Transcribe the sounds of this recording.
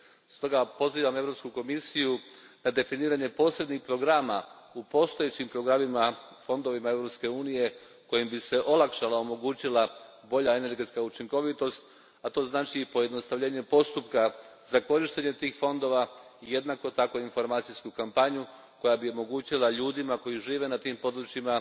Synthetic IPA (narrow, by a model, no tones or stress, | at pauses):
st̪o̞ɡapo̞ziːʋame̞vɾo̞pskuko̞misijunad̪e̞finiːɾaɲe̞po̞ːsɾe̞d̪ɲixpɾo̞ɡɾaːma | upo̞st̪ojet͡ɕimpɾo̞ɡɾamima | fo̞nd̪o̞ʋimae̞vɾo̞pske̞uːnije̞ | ko̞jimbise̞ʔo̞lˠakʃalao̞mo̞ɡuːt͡ɕilˠa | bo̞ʎae̞ne̞ɾɡet̪skaut͡ʃiŋko̞ʋit̪o̞st̪ | at̪o̞ːznaːt͡ʃiːpo̞je̞d̪no̞st̪aʋʎʲe̞ːɲe̞po̞st̪upkazako̞ɾiʃt̪e̞ɲe̞t̪iːxfo̞nd̪o̞ʋaije̞d̪nako̞t̪ako̞info̞ɾmaːt̪sijskukampaɲu | ko̞jabio̞mo̞ɡuːt͡ɕilˠaʎuːd̪imako̞jiʒiːʋe̞nat̪iːmpo̞d̪ɾut͡ɕima